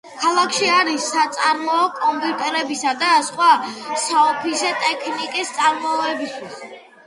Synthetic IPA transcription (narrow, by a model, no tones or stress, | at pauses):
kʰalˠakʰʃiaɾisːat̪sʼaɾmɔːkʼɔmpʼjut̪ʼɛɾɛbisad̪asχwasaɔpʰisɛt̪ʼɛkʰnikʼist̪sʼaɾmɔɛbist̪ʰwis